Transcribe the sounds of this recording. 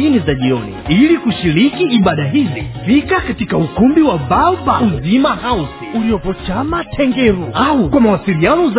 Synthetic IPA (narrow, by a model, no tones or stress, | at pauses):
inizaʄiɔ̰nḭilikuʃiɾikiːɓaɗaɦizḭfikakatikaukumbiwaɓaɔbauzimahausiuliɔpɔt͡ʃamatʰɛŋɡɛɾuaukwamawasiɾianɔz